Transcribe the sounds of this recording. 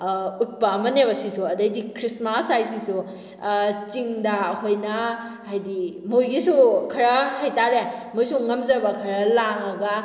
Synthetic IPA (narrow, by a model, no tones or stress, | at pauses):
ut̚pɐːmɐneβɐsisuɐdɐjdikʰɾismasajsisu | t͡ʃiŋdɐhojnɐ | hajdimojɡisukʰɐɾɐhajtaɾemojsuŋɐmzɐbɐkʰɐɾɐlaŋɐɡɐ